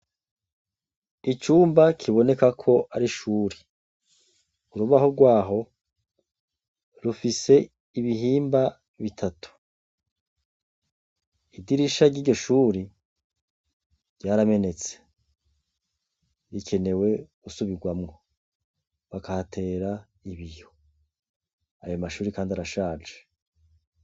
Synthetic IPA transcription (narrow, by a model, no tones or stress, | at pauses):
it͡ʃuːmbakʰiβo̞ne̞kakʰo̞ʔaɾiʃuːɾi | uɾuβahoɡwaːɦo̞ | ɾufise̞ | iβiɦiːmba | βitʰatu̥ | idiɾiʃaɾɟiːɾɟo̞ʃuːɾi | ɟɟaːɾame̞ne̞t͡se̥ | ɾikʰe̞ne̞we̞ɡusuβiɡwamŋo | βakahatʰe̞ːɾa | iβijo̞ | a̰jo̞maʃuːɾikaːndiaɾaʃaːd͡ʒe